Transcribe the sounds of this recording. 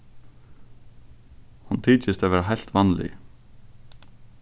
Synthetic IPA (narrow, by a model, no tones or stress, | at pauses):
hunt̪ʰiːt͡ʃɪst̪avɛːɾaɦajl̥t̪vanlɪ̰